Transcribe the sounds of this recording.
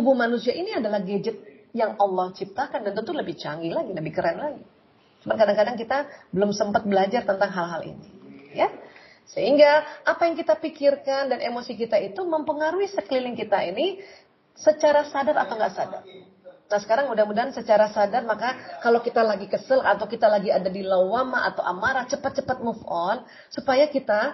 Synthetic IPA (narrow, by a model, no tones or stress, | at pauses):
t̪ubuhmanusiaʔiniadalahɡed͡ʒət̪̚jaŋɑlːɔht͡ʃip̚t̪akandant̪ənt̪uləbɪht͡ʃaŋɡilaɡiləbɪhkəɾɛnlaɡi | t͡ʃumankadaŋkadaŋkit̪abəlʊmsəmpat̪̚bəlad͡ʒart̪ənt̪aŋɦalɦalḭnija | səɦiŋɡaʔapajaŋkit̪apikirkandanʔemosikit̪ait̪uməmpəŋaɾuisəkəlilɪŋkit̪aini | sət͡ʃaɾasadara̰t̪awŋɡaʔsada̰r | nasə̥kaɾaŋudahmudaɦansət͡ʃaɾasadarmakakalokit̪alaɡikəsəlat̪awkit̪alaɡiadadilawamaʔa̰t̪awʔa̰maɾat͡ʃəpat̪̚t͡ʃəpat̪̚mufɔn | supajakit̪a